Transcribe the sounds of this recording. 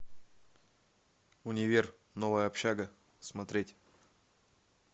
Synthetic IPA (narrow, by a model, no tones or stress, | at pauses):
unʲɪvʲer | novəjəɐpɕaɡə | smɐt̪ɾʲetʲ